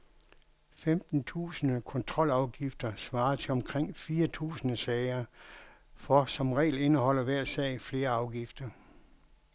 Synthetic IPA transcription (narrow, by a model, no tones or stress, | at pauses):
femd̥n̩t͡sʰṵːsənəkʰɔ̽nt͡sʰʁɒ̽l̰ɑ̈ʊɡ̥ifd̥ɐsʋɑ̈ːɐt͡sʰe̝lɒ̽mkʰʁeŋ̰fiːɐt͡sʰṵːsənəsɛːɪɐ | fɒsɒ̽mʁɛ̰ːle̝nəɦɒ̽l̰ɐʋæɐ̰sɛ̰ɪfle̝ːɐɑ̈ʊɡ̥ifd̥ɐ